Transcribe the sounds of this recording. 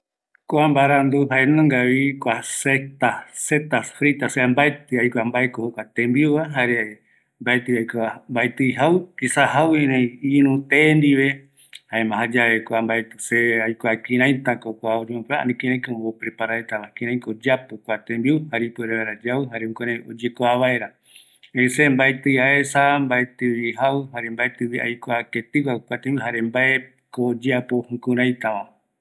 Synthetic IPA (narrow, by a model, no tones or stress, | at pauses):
koambaɾand̪uɦaenõŋɡaβikʷaset̪aset̪asfɾit̪aseambaet̪ɨajkʷambaekohokʷat̪ẽmbiuβaɦaɾe | mbaet̪ɨajkambaet̪ɨjɦawisaɦawĩɾẽj̃iɾũt̪end̪iβe | haemãɦad͡ʒaβekʷambaet̪ɨ̥seajkʷakĩɾãjt̪akokʷaod͡ʒemõpea̰nĩkĩɾãj̃kabopɾepaɾaet̪aβakĩɾ̃ãj̃kod͡ʒapokʷat̪ẽmbiuhaɾipeɾaβeɾad͡ʒawɨɦaɾeũkaɾão̰d͡ʒekoaβae̞ɾa | esembaet̪ɨjaesambaet̪ɨβiɦaɨhaɾembaet̪ɨβiʔa̰jkoaket̪ɨkakʷat̪ẽmbiuɦaɾembae | kod͡ʒapohũkũɾãj̃t̪aʋã